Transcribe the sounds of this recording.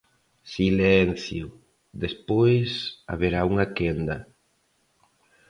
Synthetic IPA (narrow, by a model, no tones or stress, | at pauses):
silɛn̟θjʊ | ðespojsa̰βeɾauŋakend̪ɐ